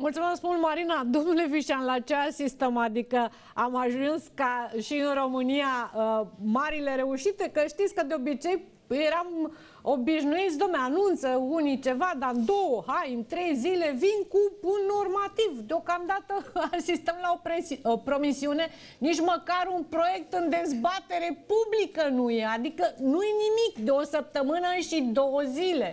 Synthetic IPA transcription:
mult̪sumeskmult̪maɾinad̪o̞mnule̞viʃianlat͡ʃeasist̪emad̪ikə | amaʒunskaʃiɨnro̞mɨnijaəmaɾile̞ɾe̞uʃit̪ekəʃt̪it̪sʲkəd̪eo̞bit͡ʃe̞j | jeɾam | o̞biʃnuit̪sʲd̪omneanunt̪səunit͡ʃe̞vad̪aɨnd̪o̞wəhajɨnt̪ɾe̞jzile̞vinkupunːo̞rmat̪ivd̪eo̞kamd̪at̪əasist̪əmlaopɾeopɾo̞misiune̞ | nit͡ʃməkaɾunpɾo̞je̞k̚t̪ɨnd̪e̞zbat̪e̞ɾe̞publikənuje̞ad̪ikənujenimikd̪eo̞səp̚t̪əmɨnəʃid̪owəzile̞

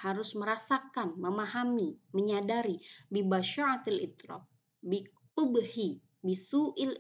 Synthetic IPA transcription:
haɾʊsməɾasakanməmaɦamiməɲadaɾibibaʃɔat̪alḭt̪ɾɔ̰p̚ | bi | ubhi | bisuʔɪl

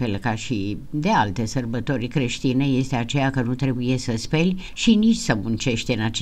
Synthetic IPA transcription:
elkaʃi | d̪e̞alt̪e̞sərbət̪o̞rʲkɾe̞ʃt̪ine̞je̞st̪e̞at͡ʃe̞jakənut̪ɾe̞buje̞səspelʲ | ʃinit͡ʃʲsəmunt͡ʃe̞ʃt̪eɨnat͡ʃ

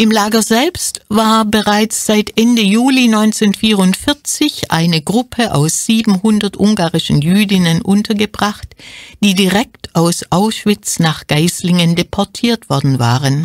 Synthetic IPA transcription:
ʔɪmlaːɡɐzɛlpstv̥aːɐbəʁaɪt͡sz̥aɪtʔɛndəjuːlinɔʏnt͡seːnfiːʁʊntfɪɐt͡sɪçʔa̰ɪnəɡʁʊpʰəʔa̰ʊsz̥iːbm̩hʊndɐtʔʊŋɡaːʁɪʃn̩jyːdɪnənʔʊntʰɐɡəbʁaχtd̥iːdiʁɛk̚tʰʔaʊsʔaʊsʃv̥ɪt͡snaːχɡ̥aɪslɪŋəndepʰɔɐtʰiːɐtv̥ɔɐdn̩va̰ːʁən

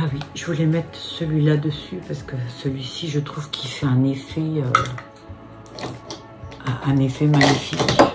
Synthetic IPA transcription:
awiʒəvulɛmɛt̪χsəlɥilad̪əsypaʁsə̥kəsəlɥisiʒət̪χuvkʲʰilfɛɛ̃nefɛø | ɛ̃ʔɛ̃nefɛmaɲifik

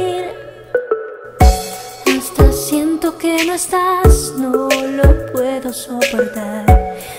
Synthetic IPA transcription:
iɾ | ast̪asjent̪o̞kenoest̪asnolopwe̞ðo̞sopo̞ɾt̪aɾ

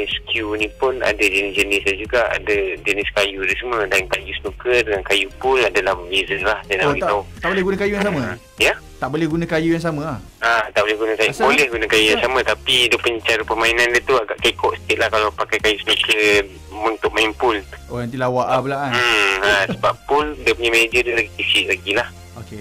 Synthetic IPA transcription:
iskjunĩpʊna̰dad͡ʒənɪsd͡ʒənɪslad͡ʒuɡaʔa̰dad͡ʒənɪskajuaɾisəmə̃dankajusənũkədəŋankajupʊladalahwezəlahdanaɡit̪aʊt̪aʔbolɛɦɡunãkajujaŋsamə̃ | jə | t̪aʔbolɛhɡunãkajujaŋs̬amə̃ah | at̪aʔbolɛɦɡunãkajubolɛhɡunãkajujaŋsamə̃t̪apidiəpuɲat͡ʃaɾəpəmainãndiət̪uaɡaʔkaikɔʔsə̥k̪iʔ̪̚lahkalapakajkajusənũkə | unt̪ʊk̚mainpʊlʔonãnt̪ilawaʔbəlaʔan̩asəbappʊldiəpuɲamened͡ʒədəlaɡik̪isiʔlaɡilah | oke

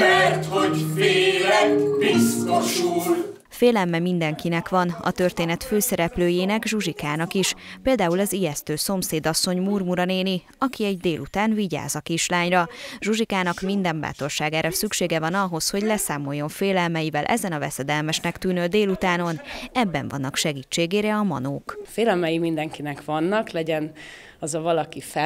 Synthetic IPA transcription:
mɛrt̪hoɟfeːlɛɡbist̪oʃul | feːlɛlmɛmind̪ɛŋkinɛkʋɒnɒ̰t̪ø̞rt̪eːnɛt̪føːsɛɾɛpløːjeːnɛɡʒuʒikaːnɒkiʃpeːld̪aːulɒzijɛst̪øːso̞mseːd̪ɒsːo̞ɲmurmuɾɒneːni | ɒkiɛɟ̚d̪eːlut̪aːnviɟa̰ːzɒkiʃlaːɲrɒʒuʒikaːnɒkmind̪ɛmba̰ːt̪o̞rʃaːɡaːɾɒsykʃeːɡɛvɒnɒɦo̞sho̞ɟlɛsaːmo̞jːo̞ɱfeːlɛlmɛjivɛlʔɛ̰zɛnɒvɛ̰sɛd̪ɛlmɛʃnɛkt̪yːnøːd̪eːlut̪aːno̞nɛbːɛ̰ɱvɒ̰nːɒkʃɛɡiːt͡ʃːeːɡeːɾɛɒmɒ̰noːkfeːlɛlmɛjimind̪ɛŋkinɛkʋɒnːɒklɛɟɛn | ɒzɒvɒlɒkifɛ

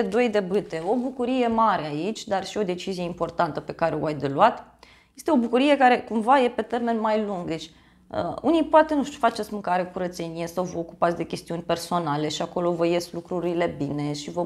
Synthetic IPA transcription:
ed̪o̞jd̪e̞bɨt̪e̞o̞bukuɾije̞maɾe̞ait͡ʃʲd̪arʃio̞d̪e̞t͡ʃizije̞impo̞rt̪ant̪əpe̞kaɾeo̰ajd̪eluat̪ | jjest̪eo̞bukuɾije̞kaɾe̞kumvaje̞pe̞t̪e̞rme̞nmajluŋɡd̪e̞t͡ʃʲ | ə̰unijpoat̪e̞nuʃt̪ʲu̥fat͡ʃe̞t̪sʲmɨŋkaɾekuɾət̪se̞nije̞sawvəoku̥pat̪sʲd̪e̞kʲe̞st̪iunʲpe̞rso̞nale̞ʃiako̞lo̞vəje̞slukɾuɾile̞bine̞ʃivə

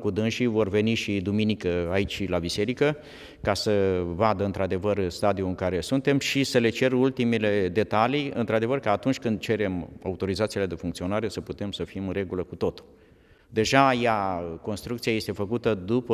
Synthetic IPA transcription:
kud̪ɨnʃivo̞rve̞niʃid̪uminikəait͡ʃʲlabise̞ɾikə | kasəvad̪əɨnt̪ɾad̪e̞vərst̪ad̪iuɨŋkaɾe̞sunt̪e̞mʃisəle̞t͡ʃe̞rult̪imele̞d̪e̞t̪alijɨ̰nt̪ɾad̪e̞vərkaːt̪unt͡ʃʲkɨnd̪̚t͡ʃe̞ɾe̞ma̰ut̪o̞ɾizat̪sile̞d̪e̞fuŋkt̪sio̞naɾe̞səput̪e̞msəfimɨre̞ɡuləkut̪o̞t̪u̥ | d̪e̞ʒajako̞nst̪ɾukt̪siaje̞st̪e̞fəkut̪əd̪upə

